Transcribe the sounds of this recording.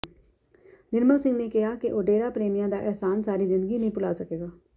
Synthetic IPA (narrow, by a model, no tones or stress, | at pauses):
nɪɾməlsɪ̃ŋɡneːkɪɦaːkeʔoːɖeːɾaːpɾeːmɪjãːd̪aːʔɛːsaːnsaːɾiːzɪ̃nd̪əɡiːnəɦĩːpʊlaːsəkeːɡaː